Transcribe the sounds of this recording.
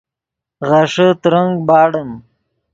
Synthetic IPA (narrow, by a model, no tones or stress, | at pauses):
ɣaʂət̪ɾəŋɡbɑːɽəm